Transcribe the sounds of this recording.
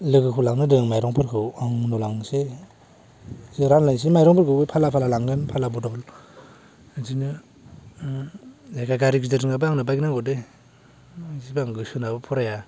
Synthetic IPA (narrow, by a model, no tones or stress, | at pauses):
lɯɡɯkʰɯwlaŋnɯdɯŋmajɾɔŋpʰɯɾkʰɯwaŋnɔlaŋse | ziɾanlajns̬imajɾɔŋpʰɯɾkʰɯwɯjpʰalapʰalalaŋɡɯnpʰalabɔtɔbɔl | zinɯ | zakʰaɡaɾiɡizɯɾɯŋabɯaŋnɯbajɡnaŋɡɔde | zibaaŋɡɯsunabɯpʰɔɾaja